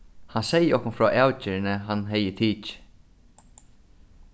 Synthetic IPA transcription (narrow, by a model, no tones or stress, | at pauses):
hansɛjːɪɔhkʊnfɾɔːʔaːwt͡ɕɪɹɪnɪɦanɦɛjɪt̪ʰiːt͡ʃ